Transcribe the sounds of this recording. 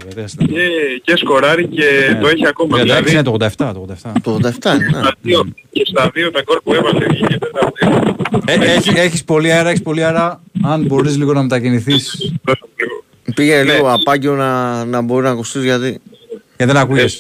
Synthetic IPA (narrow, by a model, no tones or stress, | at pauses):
ɐðesecesko̞ɾɐɾice̞t̪oeçiakomɐɐt̪ɐsinet̪oɣnd̪ɐeft̪ɐt̪oɣd̪ɐft̪ɐt̪oɣod̪ɐeft̪ɐinneiocest̪ɐðiot̪ɐɡoɾpuevɐseʝicet̪et̪ɐðieeçieçispo̞lieɾɐeçispo̞lieɾɐɐnbo̞ɾizliɣo̞nɐme̞t̪ɐciniθisɐsɐkɾio | piʝeliɣo̞ɐpɐceonɐnɐbo̞ɾiznɐkust̪izʝɐt̪iceðenɐkuʝes